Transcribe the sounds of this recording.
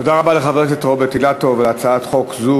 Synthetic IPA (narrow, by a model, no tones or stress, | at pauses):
odaʁabaleχaveʁʃ̬et̪ʁobet̪ilatovleat͡saatχo̞kzu